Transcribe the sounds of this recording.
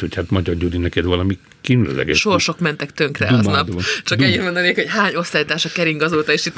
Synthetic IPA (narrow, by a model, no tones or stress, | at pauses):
hochat̪mɒɟɒrɟud̪inɛkɛd̪vɒlɒmi | kinylø̰zɛ̰ɡɛ̰ʃʃorʃo̞kmɛnt̪ɛkt̪øŋkrɛ̰ɒznɒpd̪t͡ʃɒkɛɲːit̪mo̞nd̪ɒneːkho̞cɦaːɲo̞st̪aːjit̪aːʃɒkɛɾiŋɡɒzoːt̪ɒeːʃit̪